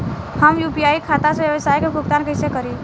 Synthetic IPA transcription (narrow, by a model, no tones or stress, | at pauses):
həmjuːpijaːikʰaːt̪aseʋjəʋəsaːjkeɡʱʊkt̪aːnkəɪsekəɾi